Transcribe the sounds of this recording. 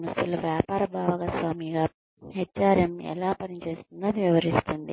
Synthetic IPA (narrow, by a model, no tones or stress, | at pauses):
nɐsulʋjaːpaːɾɐbʱaːʋɐɣɐsʋaːmiɣa | het͡ʃaːɾjɐmɛ̰lːaːpɐnit͡ɕe̞ːst̪unːɐniʋiʋɐɾist̪und̪ḭ